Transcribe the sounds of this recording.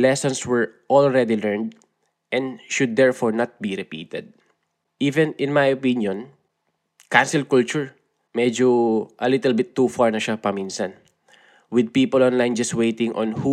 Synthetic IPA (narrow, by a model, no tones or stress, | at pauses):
lɛsɔ̃nswɛɹʔɔlɹɛd̪ilɛɹnd̪ | ʔɛ̃nʃʊd̪̚ːɛɹfɔɹnat̪̚biɾɛpḭːt̪ɛd̪̚ | ʔiːvɛ̃nɪ̃nmajopinjɔ̃n | kansɪlkult͡ʃʊɹ | mɛd͡ʒoʔɐlɪt̪ɛlbɪt̪ːufaɹnɐʃapɐminsɐn | wɪd̪̚piːpɔlɔ̃nlajnd͡ʒɐst̪̚wejt̪ɪ̃ŋʔɔ̰̃nhu